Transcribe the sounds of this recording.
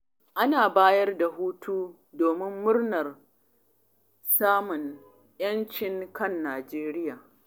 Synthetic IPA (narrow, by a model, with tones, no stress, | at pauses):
ʔa˦naː˨baː˦jɐ˦rda˨ɦuː˦tʰuː˦ | doː˨mɪ˦mːʊ˦rnɐ˨r | saː˦mʊ˨n | jɐ˦nt͡ʃɪ˨ŋkɐ˦˨nːaː˨d͡ʒeː˦ɾɪ˦jaː˨